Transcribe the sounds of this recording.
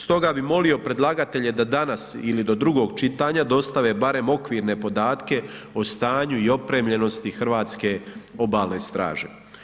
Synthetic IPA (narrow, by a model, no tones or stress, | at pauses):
st̪o̞ɡabimo̞lio̞pɾe̞d̪lˠaɡat̪e̞ʎe̞d̪ad̪anasilid̪o̞d̪ɾuɡo̞ːɡt͡ʃit̪aːɲad̪o̞st̪aʋe̞baɾe̞mo̞kʋiːɾne̞po̞d̪aːt̪ke̞ | ost̪aːɲuio̞pɾe̞ːmʎe̞no̞st̪ixr̩ʋaːt̪ske̞o̞baːlˠne̞st̪ɾa̰ːʒḛ